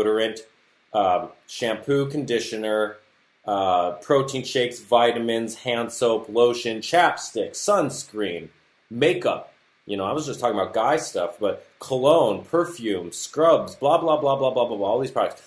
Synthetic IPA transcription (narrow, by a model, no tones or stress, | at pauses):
ɾə˞ɨ̃nt | ʌʃæ̃mpʰʉkʰɨ̃n̩dɪʃɨ̃nə˞ | ʌpʰɹ̥oʊtʰĩnʃeɪksvaɪɾɨmɨ̃nz̥hæ̃nsoʊploʊʃɨ̃nt͡ʃʰæpstɪksʌ̃nskɹĩm | meɪkʌ̰p̚ | jɨñoʊaɪwʌzd͡ʒʌstʰɔkɪ̃ŋəbaʊt̚ɡ̥aɪstʌfb̥ʌt̚kʰəlõʊ̃npʰə˞fjʉ̃mskɹʌbzblɑblɑblɑblɑblɑblɑblaɔlˠðiz̥pʰɹ̥ɑd͡ʒɨks